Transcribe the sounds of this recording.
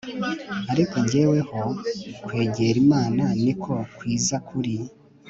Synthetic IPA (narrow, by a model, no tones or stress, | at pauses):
aɾiko̞ɲɟeːwe̞ho̞kwe̞ːɟe̞ɾimaːnanikʰo̞kwiːzakʰuɾi